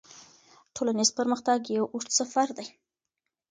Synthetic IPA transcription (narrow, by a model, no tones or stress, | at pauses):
ʈʰolanizpəɾməxt̪aɡjawʔuʂsafaɾd̪aj